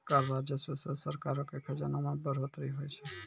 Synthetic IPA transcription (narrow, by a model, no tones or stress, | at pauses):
kəɾʋad͡ʒəsəsəsəɾkaɾokekʰəd͡ʒanamãbəɾot̪ɾiɦojt͡ʃʰe